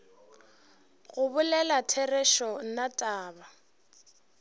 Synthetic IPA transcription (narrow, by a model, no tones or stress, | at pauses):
ɣʊbʊlɛlatʰɛrɛʃɔnatʼaːba